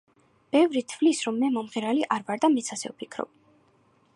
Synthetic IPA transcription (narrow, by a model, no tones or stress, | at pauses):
b̥ɛvɾit̪ʰvlisɾɔmːɛmɔmʁiɾaliʔaɾvaɾd̪amɛt̪sʰasɛ̰vpʰikʰɾɔ̰b̥̚